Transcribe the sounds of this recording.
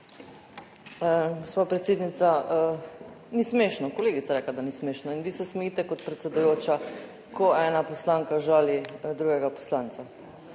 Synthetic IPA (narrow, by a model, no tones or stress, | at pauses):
ɡospapɾɛt̪seːd̪nit̪sa | nismeːʃnɔkoleːɡit̪saɾɛːklad̪anismeːʃnɔinʋiːsɛsmɛjiːt̪ɛkɔt̪pɾɛt̪sɛd̪ujoːt͡ʃa | kʰɔɛːnapɔslaːŋkaʒaːlid̪ɾuːɡɛɡapo̥slaːnt̪sa